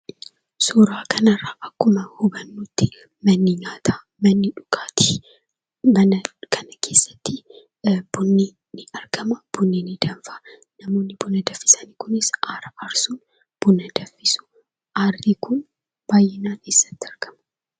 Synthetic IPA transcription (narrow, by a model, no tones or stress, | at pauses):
suːɾaːkɐnɐrːaːʔɐkːʊmɐhʊbɐnːuːt̪ːɪ | mɐnːiɲaːt̪ʰaː | mɐnːɪᶑʊ̥kʼaːt̪i̥ | mɐnɐkʰɐnɐkʰe̞ːsːɐ̥t̪ːɪ | b̥ʊnːiː | nɪɐɾɡ̥ɐmɐb̥ʊnːinid̪ɐnfɐ | nɐmoːnːɪbʊnɐd̪ɐfːɪsɐniːkʊnɪsʔaːɾɐɐɾsuːn | b̥ʊnɐd̪ɐfːɪsʊ̥ | ʔarːiːkʊn | b̥aːjːɪnaːkeːsːɐ̥t̪ːɪɐɾɡ̥ɐmɐ̥